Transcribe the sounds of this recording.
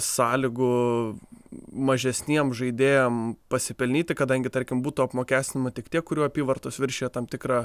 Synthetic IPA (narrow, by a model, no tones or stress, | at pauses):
sɑːlʲɪɡʊ | mɐʒʲɛsʲnʲiɛmʒɐɪd̪ʲeːjɛmpɐsʲɪpʲɛlʲnʲiːt̪ʲɪkɐd̪ɐŋʲɡʲɪt̪ɐɾʲkʲɪmbuːt̪uːɐpmoːkʲæːsʲt̪ʲɪnʲɪmɐt̪ʲɪkt̪ʲiɛk̚kʊɾʲuːɐpʲiːʋɐrt̪oːsʋʲɪɾʲʃʲeːjɛt̪ɐmt̪ʲɪkɾɑː